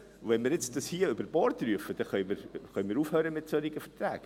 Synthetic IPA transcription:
vɛnmɪːɾjɪt͡sd̥ɑshiːəøbəɾb̥ɔːɾt̪ryəfəd̥̪ɛχœʏmɪɾχœʏmiːɾuːfhøːɾəmɪtsøɾɪɡəfət̪ɾæːɡ̥

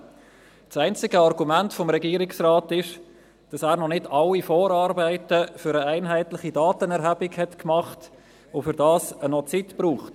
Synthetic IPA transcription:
sæɪnt͡sɪɡəɑrɡumæntfɔmɾɛɡiːɾɪksraːtɪʃ | d̥ɑsæːɾnɔnɪdɑlːifoːɾɑːɾbæɪtəfʏɾəæɪnɦæɪtlɪχidɑːtənɛɾɦæbɪkhɛtkmɑχt | ʊfʏɾdɑːsənɔt͡sitbɾuːχt

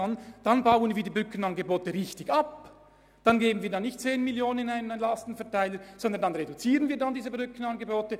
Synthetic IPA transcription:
ɑnd̥ɑnbaʊənviːɐdiːbʁʏkən̩ɑnɡəboːtəʁɪçtɪçɑp | d̥ɑnɡeːbən̩viːɐdɑnːɪçtt͡seːnmiljoːnənɪnaɪnənɛnlɑstn̩fɛɐtʰaɪləz̥ɔndəndɑnʁedut͡siːʁənviːɐdɑndiːzəbʁʏkən̩ɑnɡəboːtə

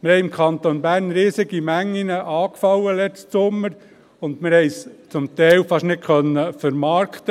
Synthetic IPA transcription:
mɪɾhɛɪɪmkʰɑnt̪onbæːɾnɾiːsɪɡimæŋːinəʔɑːkfɑwəlɛt͡stsʊmːəɾ | ʊnd̪mɪɾhɛɪst͡sʊmt̪ɛɪlfɑʃnɪt̚kʰχœnːəfəɾmɑːɾkʰt̪ə

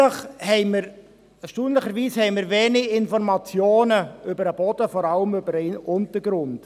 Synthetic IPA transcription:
əχhɛɪməɾ | ʃtuːnləχəɾviːshɛɪmɪɾveːnɪɪnfɔrmɑt͡sjoːnəʏbəɾəb̥ɔd̥əfɔɾɑləmʏbəɾɛɪnʊntəɾɡɾʊnd̥

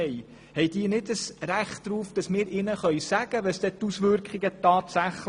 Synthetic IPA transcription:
ɛj | hɛjd̥iːnɪdəsɾæχtɾuːfd̥ɑsmɪːɾʔɪnəχœʏsæɡ̥əʋəsd̥ɛtusʋʏɾkχɪɡətɑːtsæχl

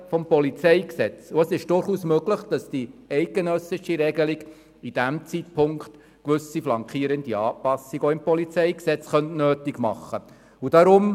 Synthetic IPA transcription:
fɔmpɔlit͡sɛɪksɛt͡suɛsɪʃd̥ʊɾχuːsmøɡləχd̥ɑsd̥iɛɪk̚ɡ̥enœsɪʃiɾɛɡəliɡ | id̥æmt͡sitpʰʊŋkχt | kʋʏsiflɑŋkʰχiːɾəndiɑːpɑsiɡɔɪmpɔlit͡sɛɪksɛt͡sχœntnøːtiɡmɑ̰χːə | ud̥ɑɾʊm

